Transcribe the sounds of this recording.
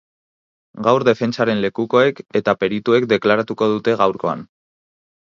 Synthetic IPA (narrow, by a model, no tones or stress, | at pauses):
ɡawɾd̪e̞fe̞nt͡saɾe̞nle̞kuko̞e̞ke̞t̪ape̞ɾit̪ue̞kd̪e̞klaɾat̪uko̞ð̞ut̪e̞ɣ̞awɾko̞a̰n